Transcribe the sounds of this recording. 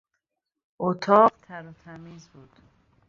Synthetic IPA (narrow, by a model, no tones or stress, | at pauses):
ot̪ʰɒːʁt̪ʰæɾɔt̪ʰæmiːzbuːd̪̥